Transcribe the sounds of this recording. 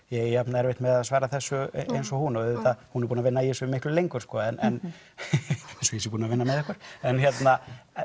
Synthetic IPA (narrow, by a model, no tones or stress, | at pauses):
jɛɣɛanɛɾvɪht̪mɛðaðsvaːɾaθɛsːʏʔejnsɔhunɔɛɪθahunɛɾpunavɪnːaiensʏmɪhklʏlejŋkʏɾ̥skɔːɛnʔɛn | ɛsɔjɛsɛɾpuːnavɪnːamɛðɛhkvœɾ̥ɛnçjɛt̪na